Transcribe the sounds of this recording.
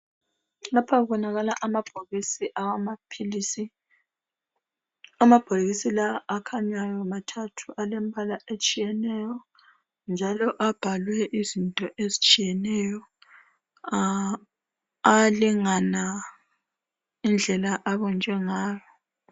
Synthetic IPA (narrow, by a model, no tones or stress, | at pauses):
lapʰaβɔnaɣalaʔamab̥ʱoɣisiʔawamapʰilisi | amab̥ʱoɣisilaʔːkʰaɲajɔumatʰatʰuʔalɛmbʱalaʔet͡ʃʼijɛnɛjɔ | nd͡ʒʱalɔʔab̥ʱalwɛʔizintʼɔʔezit͡ʃʼijɛnɛjɔ | aliŋana | ind͡ɮʱɛlaʔaβɔnd͡ʒʱɛŋaːjɔ